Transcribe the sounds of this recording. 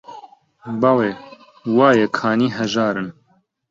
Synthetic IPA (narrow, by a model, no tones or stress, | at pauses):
bɑleː | wɑːjɛkʰaːniːɦɐʒaːɾɨn